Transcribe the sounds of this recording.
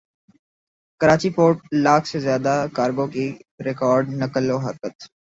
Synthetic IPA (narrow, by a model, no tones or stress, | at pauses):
kɐɾaːt͡ʃipoːɾʈ̚laːkʰsezjaːd̪akaːɾɡõkiɾɪkɔːɾɖnɐkəloːɦɐɾkət̪